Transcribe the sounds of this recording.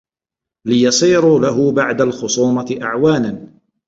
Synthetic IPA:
lɪjɑsˤiːɾʊlaɦʊbaʕd̪alxʊsˤuːmɑt̪ɪʔaʕwaːnan

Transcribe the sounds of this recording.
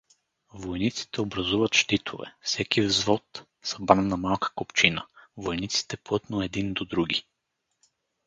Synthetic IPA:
vojnit̪si̥t̪ɛobɾɐzuvɐt̪ʃt̪it̪ʰovɛ̰fsɛkivzvɔt̪ | sɐbɾannɐmalˠkə̥kopt͡ʃinəvojnit̪si̥t̪ɛplˠɤt̪noɛd̪ind̪od̪ɾuɡi

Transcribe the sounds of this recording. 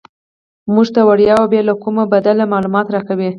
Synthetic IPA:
muʐt̪awaɽjɑabelakumabad̪alamɑlumɑt̪ɾɑkawi

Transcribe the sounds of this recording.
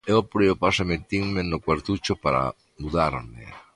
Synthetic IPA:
eopɾeopasemet̪iŋmenokwaɾt̪ut͡ʃopaɾa̰ | muðaɾmḛ

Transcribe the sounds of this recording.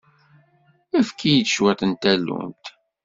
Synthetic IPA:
æfkʰijit͡s̪ːʃwæt̪ənt̪ælṵmt̪

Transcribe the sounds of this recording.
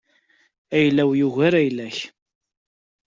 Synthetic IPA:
æjlːæwjuʝæɾæjlæç

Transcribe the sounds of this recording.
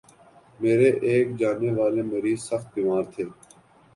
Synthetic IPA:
meːɾeʔeːk̚d͡ʒaːneːʋaːlemeɾiːzsəxt̪̚biːmaːɾt̪ʰeː

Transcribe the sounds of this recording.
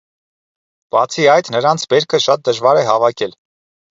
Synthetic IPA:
b̥ɑt͡sʰiɑjt̪nəɾɑnt͡sʰbɛɾkʰəʃɑt̪̚d̪əʒvɑɾɛɦɑvɑkʰɛl

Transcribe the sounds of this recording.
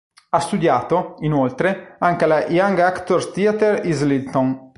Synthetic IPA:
ast̪ud̪jaːt̪oinolt̪ɾeaŋkelajaŋɡakt̪orst̪iat̪erizlilt̪on

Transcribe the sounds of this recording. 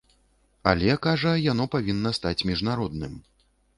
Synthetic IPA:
a̰lʲɛkaʐɐjan̪ɔpavʲinːɐst̪at͡sʲmʲiʐnaɾɔd̪nɨm

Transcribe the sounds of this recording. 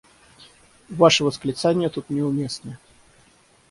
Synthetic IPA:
vaʂɨvəsklʲɪt̪sanʲɪjət̪ut̪nʲɪʊmʲe̞snə

